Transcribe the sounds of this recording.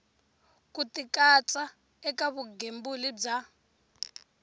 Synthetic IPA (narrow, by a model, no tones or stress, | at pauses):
kʼutikʼat͡sʼa | ɛkaβuɡembulib͡ʐa